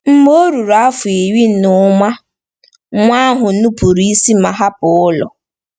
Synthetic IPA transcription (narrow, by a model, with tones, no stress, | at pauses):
m̩˦m˦o˦ɾu˨ɾa˦fʊ˨i˨wi˦nʊ˦ma˦ | ŋʷa˦ɦʊ˨nu˦pu˨ɾi˦i˦si˦ma˨ɦa˦pʊ˨ʊ˦lɔ̰˨